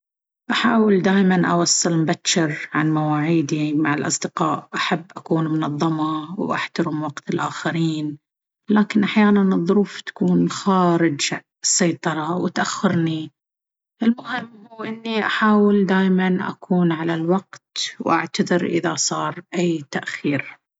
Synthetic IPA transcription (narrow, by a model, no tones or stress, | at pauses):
ʔaħaːwɪld̪aːjmanʔawɑsˤːɨlmbatːɪɾʕanmawaːʕiːd̪imaʕalʔɑ̰sˤd̪ɪqɑːʔʔaħabːʔakuːnmʊnɑðˤːɑmɑwʔa̰ħt̪ɑɾɪmwɑqt̪ɪlʔaːxaɾiːn | laːkɪnʔaħjaːnanɨðˤːʊɾuːft̪ḁkuːnxaːɾɪd͡ʒ | sːɑjt̪ˤɑɾˤɑwɪt̪ʔaxːɪɾni | ʔɪlmʊhɪmːhuːʔɪnːiʔaħaːwɪld̪aːjmanʔa̰kʰuːnʕalalwɑqt̪wʔa̰ʕt̪aðˤɪɾʔɪ̰ðasˤɑːɾˤʔajːt̪aʔxiːɾ